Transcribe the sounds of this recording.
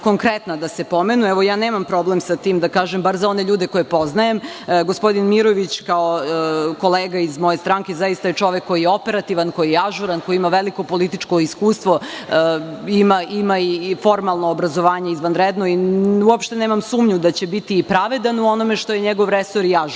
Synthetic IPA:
ko̞ŋkɾet̪nad̪asepo̞menuɛʋo̞jaːneːmampɾo̞blemsat̪iːmd̪akaːʒembaɾzao̞neʎuːd̪eko̞jepo̞znajemɡospo̞d̪inmiɾo̞ʋit͡ɕkaoko̞leːɡaizmo̞jest̪ɾaːŋke̞zajist̪ajet͡ʃo̞ʋekːo̞jijeo̞pe̞ɾat̪iʋanko̞jijeaʒuɾanko̞jiimaʋeliko̞po̞lit̪it͡ʃko̞iskuːst̪ʋo̞ | imaʔimaifo̞ɾmalˠnoːbɾazo̞ʋaːɲe̞izʋanɾed̪no̞iuopʃt̪e̞ne̞ːmamsuːmɲud̪at͡ɕe̞bit̪iːpɾaʋe̞d̪anuono̞me̞ʃt̪o̞jeɲeɡo̞ʋɾesoɾjaʒ

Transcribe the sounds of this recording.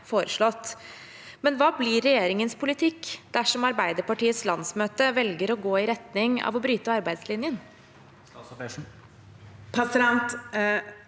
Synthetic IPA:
foːɾəʂɭɔt̪ː | mɛnʋɑːblɪɾɛjeːɾɪŋənspʊlɪt̪ʰɪkːd̪̥æʂɔmɑɾbæɪd̪əɾpɑʈiːət̪slɑnsmøːt̪əʋɛlɡəɾɔɡoːɪɾɛt̪nɪŋɑ̰ːʋɔbɾyːt̪əɑɾbæɪd̪slɪnjən | pʰɑsɾɑnt̪

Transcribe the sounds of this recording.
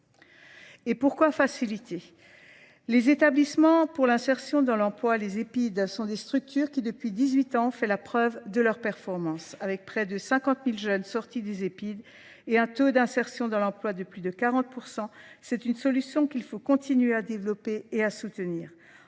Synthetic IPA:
epuʁkwafasilit̪ʰe | lezet̪ablismɑ̃puʁlɛ̃sɛʁsjɔ̃d̪ɑ̃lɑ̃plwalezepid̪sɔ̃d̪est̪χyk̚t̪yʁkʲid̪əpɥid̪izɥit̪ɑ̃fɛlapχœvd̪əlœʁpɛʁfɔʁmɑ̃savɛk̚pχɛd̪əsɛ̃kɑ̃t̪milʒœnsɔʁt̪id̪ezepid̪ | eɛ̃t̪od̪ɛ̃sɛʁsjɔ̃d̪ɑ̃lɑ̃plwad̪əplyd̪əkaʁɑ̃t̪̚puʁsɑ̃sɛt̪ynsɔlysjɔ̃kʲilfokɔ̃t̪inɥead̪evlɔpeeasut̪əniːʁ

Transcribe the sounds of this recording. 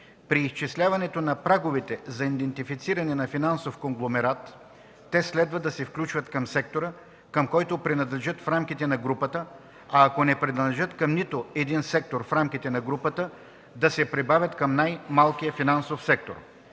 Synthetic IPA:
pɾiːst͡ʃislʲavɐnɛt̪onɐpɾaɡovɛt̪ɛzɐind̪ɛnt̪ifit̪siɾɐnɛnɐfinansofkoŋɡlˠomɛɾat̪ː | ɛslɛd̪vəd̪ɐsɛfklʲut͡ʃvət̪kɐmsɛk̚t̪oɾə | kɐmkɔjt̪opɾɛnɐd̪lɛʒət̪fɾamkʲit̪ɛnɐɡɾupət̪ə | ɐːkonɛpɾɛd̪lʒɤt̪kɐmnit̪oɛd̪insɛk̚t̪oɾfɾamkit̪ɛnɐɡɾupət̪ə | d̪ɐsɛpɾɛbavʲjɐt̪kəmnajmalˠkijəfinansofsɛk̚t̪o̰ɾ

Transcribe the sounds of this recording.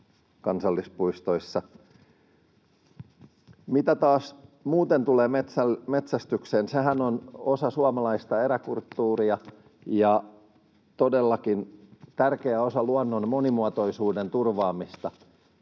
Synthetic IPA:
kɑnsɑlːispuist̪o̞isːɑ | mit̪æt̪ɑːsmuːt̪ent̪uleːmet̪ælmet̪sæst̪ykseːnseɦænono̞sɑsuɑmɑlɑist̪ɑeɾækult̪ːuːriɑ | jɑ | t̪odelːɑkint̪ærkeæosɑluɑnːonmo̞nimuɑt̪o̞isuːde̞nt̪urʋɑːmist̪ɑ

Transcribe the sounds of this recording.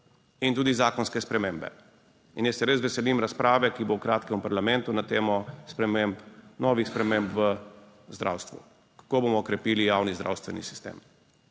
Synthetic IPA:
int̪uːd̪izaːkɔnskɛspɾɛmeːmbɛ̰ | injɛsɛɾesʋɛsɛlimɾaspɾaːʋɛkibowkɾaːt̪kɛmupaɾlamɛnt̪unat̪eːmɔspɾɛmempnɔːʋixspɾɛmempʋə | zd̪ɾʔa̰ːwst̪ʋṵ | kḁkoːbomɔːkɾɛpiːlijaːwnizd̪ɾa̰ːwst̪ʋɛnḭsi̥st̪ḛːm

